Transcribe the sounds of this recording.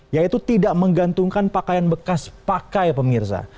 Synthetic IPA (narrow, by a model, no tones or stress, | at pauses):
jait̪ut̪idaʔməŋɡant̪uŋkanpakajanbəkaspakajpəmirsa̰